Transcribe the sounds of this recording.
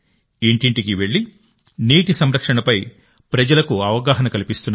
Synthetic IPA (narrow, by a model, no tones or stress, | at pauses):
iɳʈiɳʈik̬iʋe̞ɭːi | niːʈisɐmɾɐkʂɐɳɐpɐj | pɾɐd͡ʒɐlɐkuɐʋɐɡaːɦɐnɐkɐlipist̪unː